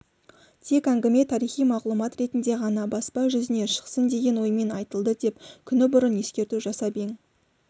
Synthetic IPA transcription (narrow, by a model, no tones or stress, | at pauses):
t̪ʰe̞kæŋɡʲɪme̞t̪ʰɑɾijχijmɑʁlˠumɑt̪ɾe̞t̪ɪnd̪e̞ʁɑnɑbɑspɑʒʏzɪne̞ʃə̥qsənd̪e̞ɡʲe̞nwo̞jme̞nɑjt̪əlˠd̪əd̪e̞pkʲʰʏnɪbʊɾənje̞skʲe̞ɾt̪uʒɑsɑbeŋ